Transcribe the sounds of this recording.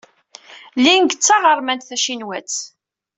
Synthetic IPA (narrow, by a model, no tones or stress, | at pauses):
linɡt͡sːɑʁəɾˤmænt̪θæʃinwæt͡sː